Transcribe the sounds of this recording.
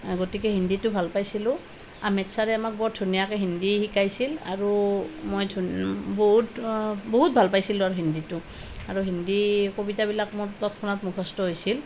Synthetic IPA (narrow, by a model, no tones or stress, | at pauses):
ɡotikɛɦinditʊbʱalpajsilʊ̃ | amɛtsaɹɛamak̚bɔdʱunijakɛɦindihikajsila̰ɹumojdʱboɦutboɦut̚bʱalpajsilʊ̃aɹuɦinditʊ | aɹuɦindikobitabilakmʊɹtɔtkʰɔnatmukʰɔstɔɦojsil